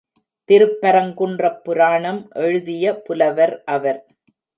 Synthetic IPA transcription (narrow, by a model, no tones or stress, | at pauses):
t̪ɪɾɯpːɐɾɐŋɡɯɳdrɐpːʊɾaːɳɐmʔɛɻɯðɪjɐpʊlɐʋɐɾʔɐʋɐɾ